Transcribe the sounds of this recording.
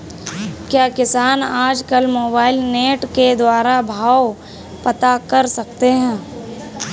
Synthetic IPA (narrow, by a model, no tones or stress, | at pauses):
kjaːkɪsaːnaːd͡ʒkɐlmoːbaːɪlneːʈked̪waːɾabʱaːw | pɐt̪akɐɾsɐkt̪eɦɛ̃ː